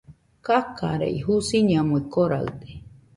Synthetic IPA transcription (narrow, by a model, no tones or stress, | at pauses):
kaka̰ɾḛiɦusiɲamuekoɾa̰ɯt̪e̥